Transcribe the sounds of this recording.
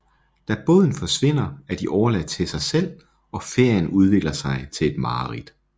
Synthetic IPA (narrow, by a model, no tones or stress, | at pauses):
d̥æb̥ɔ̰ːðˠn̩fɒ̽sʋe̝n̰ɐæɐd̥iʔɒʊɐlæd̥t͡sʰe̝lsɑ̈ɪsel̰ | ɒ̽fe̝ɐ̰jənuð̞ˠʋe̝ɡ̥lɐsɑ̈ɪt͡sʰe̝le̝d̥mɑ̈ːʁid̥